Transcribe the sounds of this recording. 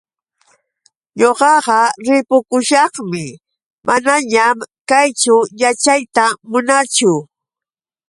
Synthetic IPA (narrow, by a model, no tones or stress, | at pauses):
ɲoɢɑɢɑɾɪpʊkʊʃɑχmɪ | mʔanaɲamkajt͡ʃʊjat͡ʃajt̪amʊnat͡ʃʊ